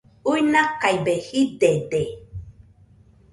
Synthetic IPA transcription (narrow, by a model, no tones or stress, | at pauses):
ujnakajbehidede